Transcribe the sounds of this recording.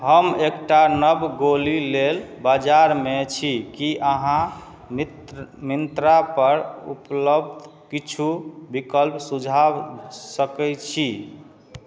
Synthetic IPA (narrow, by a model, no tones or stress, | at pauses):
ɦəmekʈanəbɡolilelbad͡ʒaɾmet͡ʃʰikiʔəɦã | m | mint̪ɾapəɾṵpləb̚d̪kit͡ʃʰubikəlpsud͡ʒʱawsəkɛt͡ʃʰi